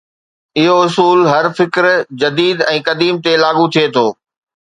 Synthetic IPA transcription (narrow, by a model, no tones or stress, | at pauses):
ɪɦoʊsuːlɦɐɾfɪkɾd͡ʑɐd̪iːd̪ɛ̃ːkɐd̪iːmt̪elaːɠut̪ʰiet̪ʰoː